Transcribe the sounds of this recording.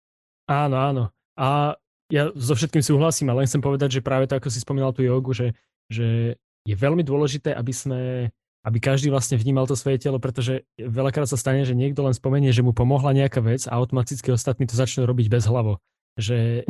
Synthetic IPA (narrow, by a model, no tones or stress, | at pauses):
aːnɔaːnɔ | a | jazɔfʃɛt̪̚kiːmsuːɦlasiːmalɛnxtt͡sɛmpɔʋɛd̪aɟʒɛpɾaːʋɛt̪ɔakɔsispɔmiːnalt̪uːjɔːɡuʒɛ | ʒɛ | jɛʋɛlmid̪ʊɔlɛʒit̪ɛːʔabismɛ | ʔabikaʒd̪iːʋlasɲɛvɲiːmalˠt̪ɔsʋɔjɛcɛlɔpɾɛt̪ɔʒɛaʋɛlakɾaːt̪sast̪aɲɛʒɛɲɪɛɡd̪ɔlɛnspɔmɛɲɪɛʒɛmupɔmɔɦlaɲɛakaːʋɛd͡za̰aʊt̪ɔmat̪it͡skiɔst̪at̪̚niːt̪ɔzat͡ʃnuɾɔbiɟbɛzɦlaʋɔ | ʒɛ